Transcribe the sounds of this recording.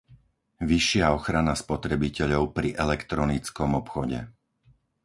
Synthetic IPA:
ʋiʃːɪaɔxɾanaspɔt̪ɾɛbicɛʎɔʊpɾiʔɛlɛkt̪ɾɔnit͡skɔmɔpxɔɟɛ̰

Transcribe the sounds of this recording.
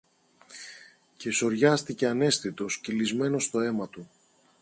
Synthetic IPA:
ce̞so̞ɾʝɐst̪ice̞ɐne̞sθit̪o̞scilizme̞no̞st̪o̞e̞mɐt̪u

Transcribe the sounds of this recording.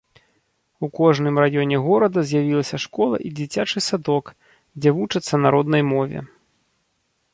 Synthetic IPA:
ukɔʐnɨmrajɔnʲɛɣɔɾɐd̪ɐzʲjavʲilˠɐsʲɐʂkɔlˠɐ̰ʔid͡zʲit͡sʲat͡ʂɨsad̪ɔk | d͡zʲɛvut͡ʂɨt̪sːɐnaɾɔd̪nɐjmɔvʲɛ̰

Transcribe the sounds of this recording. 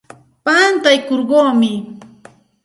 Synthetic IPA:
pant̪ajkoɾɢoːmɪ

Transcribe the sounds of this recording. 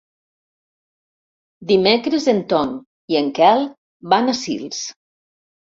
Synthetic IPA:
d̪imekɾezent̪ɔn | ieŋkɛlˠ | banasḭlˠs

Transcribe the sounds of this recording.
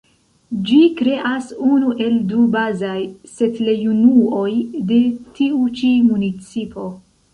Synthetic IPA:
d͡ʒikɾe̞ʔasunuʔe̞ldubazajse̞tlajunuo̞jde̞tiut͡ʃimunit͡sipʰo̞

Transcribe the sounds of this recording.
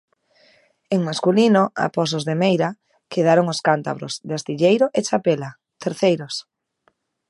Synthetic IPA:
eŋmaskulinoʔa̰pɔs̬ozðemejɾa | keð̞aɾoŋoskant̪a̰βɾo̰zðɪast̪iʎejɾoʔet͡ʃapela | t̪eɾθejɾos

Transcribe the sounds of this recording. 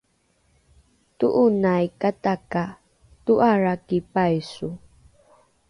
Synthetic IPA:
tuʔunajkataka | tuʔaɾakipajsu

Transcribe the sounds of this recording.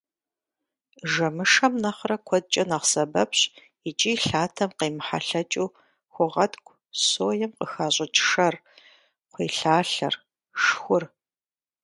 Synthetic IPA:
ʒɐmɨʂɐmnɐχrɐkʷʰɔd̚t͡ʃʼɐnɐʁsɐbɐpɕ | it͡ʃʼiːɬaːtʰɐmqeːmħa̰ɬɐt͡ʃʼuː | xʷʊʁɐtkʷʰʼ | soːjɛmqəxaːɕʼɪt͡ʃʼʂɐr | qʷiːɬaːɬɐ̰r | ʂxʷʊr

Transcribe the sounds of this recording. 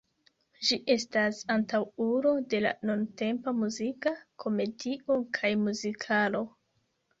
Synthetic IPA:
d͡ʒiʔe̞stasantawuɾo̞de̞la̰nonte̞mpamuzikakʰo̞me̞dio̞kʰajmuzikʰalo̞

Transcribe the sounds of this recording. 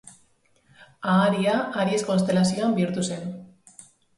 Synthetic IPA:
aːɾiaaɾiesko̞nst̪e̞lasioambiɾt̪usen

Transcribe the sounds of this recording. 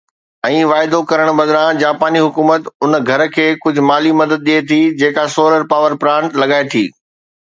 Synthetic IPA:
ɛ̃ːʋaːɪd̪okɐɾəɽ̃bɐd̪ɾãd͡ʑaːpaːniɦʊkuːmət̪ʊnɡʱɐɾkʰeːkʊd͡ʑʱʊ̆maːlimɐd̪əd̪̚ɗiet̪ʰid͡ʑeːkasoːɾəɾpaːʋəɾpɾãːɳʈlɐɠaːet̪ʰḭː

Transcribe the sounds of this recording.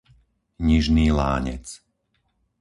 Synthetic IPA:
ɲiʒniːla̰ːɲɛ̰t͡s

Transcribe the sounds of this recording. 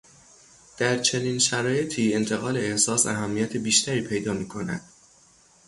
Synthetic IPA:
d̪̥æɾt͡ʃʰe̞niːnʃæɾɒːje̞t̪ʰiːe̞nt̪ʰe̞ɣɒːle̞ːhsɒːsæɦæmːijæt̪ʰebiːʃt̪ʰæɾiːpʰe̞jd̪ɒːmiːkʰo̞næ̰d̪̥

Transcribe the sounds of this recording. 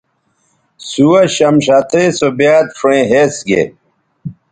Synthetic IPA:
suwɐɕɐmɕat̪ʰesobjaːt̪̚fɾẽːɦeːsɡḛ

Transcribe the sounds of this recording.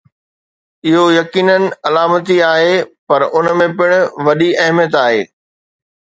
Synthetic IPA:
ɪɦojɐkiːnənɪ̆ɐlaːmət̪iaːɦeːpɐɾʊnmẽpɪɽ̃ʊ̆ʋɐɗiɐɦmjət̪aːɦḛː

